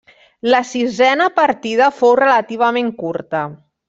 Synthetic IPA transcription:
ləsizɛnəpəɾt̪ið̞əfowrələt̪iβ̞əmeŋkuɾt̪ə

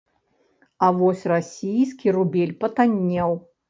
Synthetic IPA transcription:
ɐvɔsʲrasʲijskʲirubʲelʲpɐt̪anʲːɛw

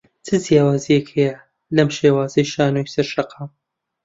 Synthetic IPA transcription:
t͡sʰɨzjaːwaːzijekhejɐ | lɐmʃeːwaːzɐjʃaːnojsɐɾʃɐqʰɑːm

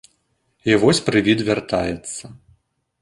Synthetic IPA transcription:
ivɔsʲpɾɨvʲid̪vʲart̪ajɛt̪sːɐ

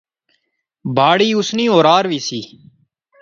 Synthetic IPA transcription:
bʱaːɽiːʊsnĩːoːɾaːɾʋiːsiː

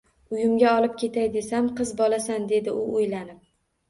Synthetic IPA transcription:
ʊjʊmɡʲaɒlˠɪp̚kʲʰe̞t̪ʰajd̪e̞samqʰɨzbɒlasand̪e̞d̪ɪʔʊʊjlanɪp̚

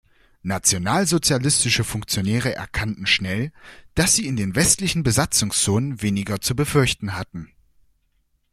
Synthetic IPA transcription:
nat͡sjonaːlzot͡sjalɪstɪʃəfʊŋk̚t͡sjonɛːʁ̞əʔɛ̰ɐkʰantn̩ʃnɛld̥asz̥iːɪndeːnvɛstlɪçn̩bəzat͡sʊŋst͡soːnənveːnɪɡɐt͡subəfʏɐçtn̩ɦatn̩

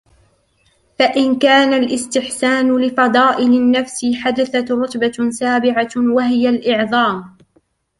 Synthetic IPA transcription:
faʔɪnkaːnalʔɪst̪ɪħsaːnʊlɪfɑd̪ˤɑːʔɪlɪnːafsɪħad̪aθat̪ɾʊt̪ˤbasaːbɪʕawaɦɪjalʔɪʕðˤɑːm

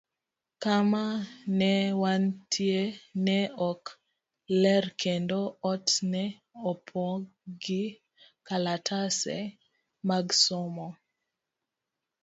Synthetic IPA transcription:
kamanɛwantʰjenɛɔk | lɛrkʰendoɔtnɛ | ɔpʰɔɡɪ | kalatʰasɛ̰ | maɡsɔmɔ

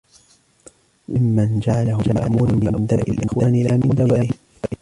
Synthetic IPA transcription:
mɪmːand͡ʒaʕalahʊd͡ʒama̰ʔmuːɾanmɪnʔamd̪aːʔɪ̰lʔɪxwaːnɪlaːmɪnd̪aaa

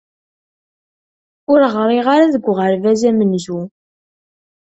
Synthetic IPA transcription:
ʊɾʁɾˤiʁaɾaðəɡʷːʁəɾvæzæmənʒu

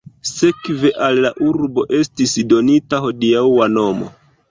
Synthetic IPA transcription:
se̞kve̞ʔalːaʔuɾbo̞ʔe̞stisdo̞nitaho̞diawano̞mo̰

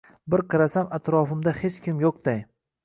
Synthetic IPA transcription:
bɪɾqʰɨɾasamat̪ɾɒfɪmd̪ahe̞t͡ʃkʲʰɪmjoq̚d̪̥aj

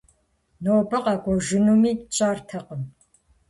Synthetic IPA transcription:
noːbɐqɑːɡʷɔʒɪnumiːt͡ʃʼaːrtʰɐqəm

